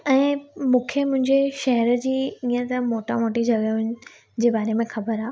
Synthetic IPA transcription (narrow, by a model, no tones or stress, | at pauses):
ɛ̃ːmũːkʰemʊ̃ɦɪ̃ɲd͡ʑeʃɐɦɾəd͡ʑiːiːə̃t̪ɐmoːʈa̰moːʈid͡ʑʱɐɡəɦʊnɪ̆ | d͡ʑeːbaːɾemẽxɐbəɾaː